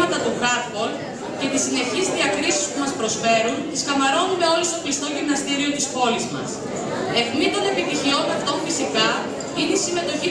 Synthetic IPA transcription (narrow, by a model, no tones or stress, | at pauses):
ɐt̪ɐt̪uɣɾɐpol | ce̞t̪isine̞çizðiɐkɾisispumɐspɾo̞sfe̞ɾunt̪iskɐmɐɾo̞nume̞o̞list̪o̞plist̪o̞ʝimnɐst̪iɾio̞t̪ispo̞lizmɐ̰s | e̞fnit̪one̞pit̪içio̞nɐft̪omfisikɐ | ineisime̞t̪o̞çi